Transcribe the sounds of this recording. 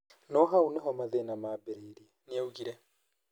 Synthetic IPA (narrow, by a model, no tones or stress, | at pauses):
nɔɦauneɦɔmaðenamaːbeɾeiɾiɛneauɣiɾɛ